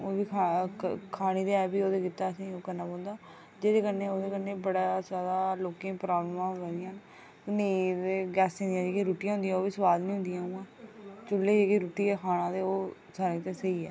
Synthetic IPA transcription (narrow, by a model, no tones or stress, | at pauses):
oːbiːkʰː | kʰaːɽ̃iːd̪eɛːbiːoːd̪eːkɪt̪ːaːəsĩːoːkənːaːbõːnd̪aː | d͡ʒeːd̪eːkənːeːoːd̪eːkəneːbəɽaːsjaːd̪aːloːkẽːpɾaːblmãːʋəd̪ɪjãːn | nẽd̪eːɡɛːsẽːnd̪ijãːd͡ʒeːkiɾoːʈijãɦʊ̃nd̪ijãːoːʋiːsʋaːd̪nĩːɦʊ̃nd̪ɪjãːmãːt͡ʃʊlːeːd͡ʒeːkiɾuːʈiːɛːkʰaːɽ̃ãːt̪eːoː | saːɾĩːt̪eːsəiːɛː